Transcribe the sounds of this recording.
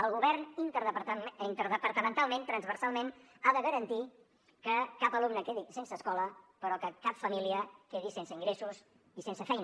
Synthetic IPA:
əlˠɣuβɛɾnint̪əɾðəp̪int̪əɾðəpəɾt̪əmənt̪alˠmẽnt̪ɾənzβərsalˠmen | aðəɣəɾənt̪i | kəkapəlumnəkeðisensəːskɔləpəɾɔkəkapfəmiliəkeðisensəiŋɡɾesus | isensəfɛjn

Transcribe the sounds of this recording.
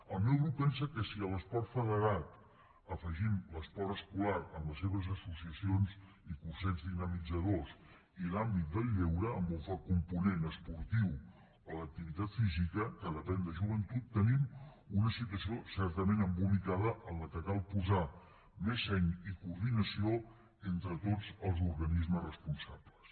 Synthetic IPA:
əlˠmewɾupɛns̬əkəsiələspɔrt̪fəðəɾat̪ | əfəʒimləspɔɾəskulaɾəmləseβəzəsusiəsionz | ikursɛzðinəmid͡zəðos | ilambit̪̚d̪əlˠʎːewɾəːmbulfakumpunenəspuɾt̪iw | ələk̚t̪iβit̪at̪fizikəkəðəpɛnd̪əʒuβ̞ənt̪ut̪ːənim | unəsit̪wəsiosɛɾt̪əmenəmbulikað̞əʔəlləkəkalˠpuza | mezɛɲikuɾðinəsio | ent̪ɾət̪od͡zəlˠzuɾɣənizməzrəspunsapləs

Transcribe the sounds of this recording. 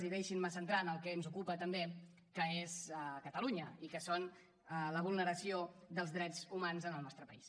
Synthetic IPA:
ziðɛʃinməsənt̪ɾanəlˠkɛnzukupət̪əmbe | kəezkət̪əluɲəikəson | ələβ̞ulˠnəɾəsiod̪əlˠzðɾɛd͡zumanzənəlˠnɔst̪ɾəpəis

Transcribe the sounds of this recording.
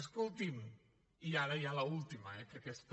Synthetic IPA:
skulˠt̪im | iaɾəjaləulˠt̪imə̰ɛkekɛst̪

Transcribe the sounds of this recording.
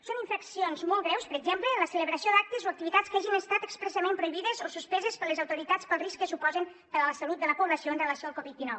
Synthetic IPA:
soniɱfəksionzmolˠɣɾɛwspəɾəɡzemplənləsələβɾəsiod̪ak̚t̪əzoək̚t̪iβit̪at͡skaʒinəst̪at̪əkspɾəsəmẽmpɾuiβiðəzosuspɛzəspələzəwt̪uɾit̪at͡spəlˠriskːəsupɔzən | pəɾələsəlut̪̚d̪ələpuβləsioənrələsioalˠkɔβit̪̚inɔw

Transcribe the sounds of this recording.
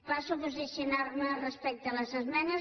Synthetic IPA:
basupuzisjunarmərəspɛk̚t̪ələzəzmɛnə

